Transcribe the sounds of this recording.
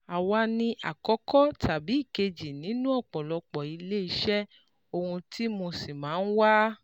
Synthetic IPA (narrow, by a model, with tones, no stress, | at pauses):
a˨wa˧nĩ˧ʔa̰˨kɔ˨˦kɔ˦tʰa˨bi˨˦i˦˨ke˧d͡ʒi˨nĩ˨˦nũ˦ɔ˦˨k͡pɔ˨lɔ˧k͡pɔ˨i˨˧le˦i˧˦ʃɛ˦ | o˧hũ˧tʰi˦mo˧si˨mãː˨˦n̩˦wa˦